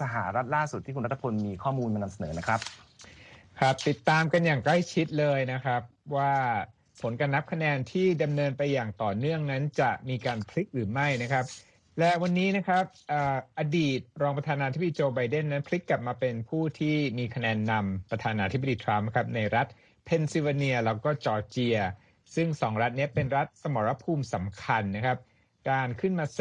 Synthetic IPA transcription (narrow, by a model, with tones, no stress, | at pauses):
sa˧ɦaː˩˦ɾa˦˥t̪̚laː˥˩su˨˩t̪̚ʰːiː˥˩ku˧ɾt̪ːʰa˧pʰo˧nmiː˧kʰɔː˥˩muː˧nma˧na˧msa˧nɤː˩˦na˦˥kʰɾa˦˥p̚ | kʰɾa˦˥p̚t̪i˨˩t̪ːaː˧mka˧njaː˨˩ŋkla˥˩jt͡ɕʰi˦˥t̪̚lɤː˧jna˦˥kʰɾa˦˥p̚waː˥˩ | pʰo˩˦nkaː˧nːa˦˥p̚kʰa˧nɛː˧nt̪ʰiː˥˩da˧mnɤː˧npa˧jːaː˨˩ŋt̪ɔː˨˩nɯ˥˩əŋna˦˥nt͡ɕa˨˩miː˧kaː˧npʰli˦˥k̚ɾɯː˩˦ma˥˩jna˦˥kʰɾa˦˥p̚ | lɛ˦˥wa˧nːiː˦˥na˦˥kʰɾa˦˥p̚ʔaː˨˩ʔa˧diː˨˩t̪̚ɾɔː˧ŋpɾa˧t̪ʰaː˧naː˧t̪ʰi˦˥b̚diː˧t͡ɕoː˧ba˧jde˥˩nːa˦˥npʰli˦˥kːa˨˩p̚maː˧pe˧npʰuː˥˩t̪ʰiː˥˩miː˧kʰa˧nɛː˧nːa˧mpɾa˧t̪ʰaː˧naː˧t̪ʰi˦˥bdiː˧t̪ʰɾa˦˥mːkʰa˦˥p̚na˧jɾa˦˥t̪̚ | pʰe˧nsi˧wa˧ni˧ɐlɛː˦˥wkɔː˥˩t͡ɕɔː˧t͡ɕi˧ɐ | sɯ˥˩ŋsɔː˩˦ŋɾa˦˥t̪̚ni˦˥ɐpe˧nɾa˦˥t̪̚sa˧mɔ˩˦ɾa˧pʰuː˧msa˩˦mkʰa˧nːa˦˥kʰa˦˥p̚ | kaː˧nkʰɯ˥˩nmaː˧